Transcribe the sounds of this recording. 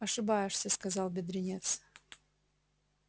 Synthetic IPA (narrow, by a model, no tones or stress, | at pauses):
ɐʂɨbajɪʂsʲəskazɑlˠbʲɪd̪ɾʲɪnʲet̪s